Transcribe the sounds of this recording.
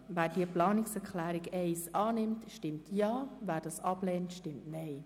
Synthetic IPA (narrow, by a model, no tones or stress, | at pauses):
væːrd̥iːəplɑːnɪksɛɾkʰlæːɾɪkɛɪsʔɑːnɪmtʃtɪmtʰjɑːvæːɾdɑsɑpleːntʃtɪmtnɛɪ